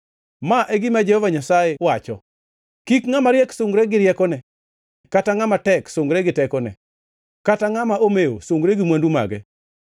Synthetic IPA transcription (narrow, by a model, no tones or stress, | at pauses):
maʔeɡɪmad͡ʒehɔvaɲasajewat͡ʃɔ̰ | kikŋamaɾjɛksʊŋɡɾɛɡɪɾjɛkɔnɛ | kataŋamatɛksʊŋɡɾɛɡɪtɛkɔnɛ̰ | kataŋamaʔomeo̰sʊŋɡɾeɡɪmwanduma̰ɡɛ̰